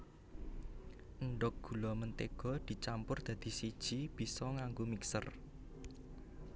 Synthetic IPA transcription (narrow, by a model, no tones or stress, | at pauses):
ʔəɳɖɔk̚ɡ̥ṳlɔmənt̪eɡ̥ɔ̤d̪̥i̤t͡ʃampʊrd̪̥ä̤d̪̥i̤sid̥ʒ̥i̤b̥i̤sɔŋaŋɡomiksər